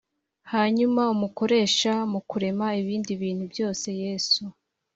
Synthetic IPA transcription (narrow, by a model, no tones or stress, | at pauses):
haɲumaumuko̞ɾe̞ːʃamukuɾe̞maiβiːndiβiːn̥hubjo̞ːse̞je̞ːsu